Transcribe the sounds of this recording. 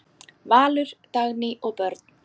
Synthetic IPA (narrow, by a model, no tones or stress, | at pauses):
vaːlʏɾ̥t̪aɣnɪʔɔɣpœɾt̪n̥